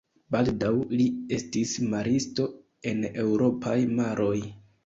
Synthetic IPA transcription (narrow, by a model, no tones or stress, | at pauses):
baldawlie̞stismaɾisto̞ | e̞ne̞wɾo̞pʰajmaɾʔo̞j